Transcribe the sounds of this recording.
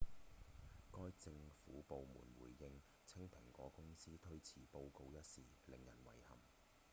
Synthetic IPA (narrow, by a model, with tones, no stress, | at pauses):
kɔː˥jt͡sɪ˧ŋfuː˨˥po˨˧wmṵː˨˩nwṵː˨˩jːɪ˧ŋ | t͡sʰɪ˥ŋpʰɪ˨˩ŋkʷɔː˨˥kʊ˥ŋsiː˥t̪ʰɵ˥ɥt͡sʰiː˨˩po˧wko˧wjɐ˥t̚siː˨lɪ˨˩ŋjɐ˨˩nwɐ̰˨˩jhɐ̰˨˩m